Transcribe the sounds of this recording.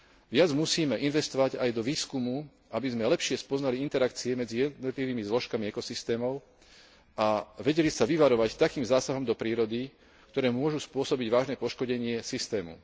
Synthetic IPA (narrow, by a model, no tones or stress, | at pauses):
ʋɪad͡zmusiːmɛʔinʋɛst̪ɔʋaɟajd̪ɔʋiːskumu | ʔabizmɛlɛpʃɪɛspɔznaliint̪ɛɾakt͡siɛmɛd͡zijɛd̪nɔt̪liʋiːmizlɔʃkamiɛkɔsist̪ɛːmɔʊ | ʔaʋɛɟɛlisaʋiʋaɾɔʋact̪akiːmzaːsaɦɔmd̪ɔpɾiːɾɔd̪i | kt̪ɔɾɛːmʊɔʒuspʊɔsɔbiɟʋaːʒnɛːpɔʃkɔɟɛɲɪɛsist̪ɛːmṵ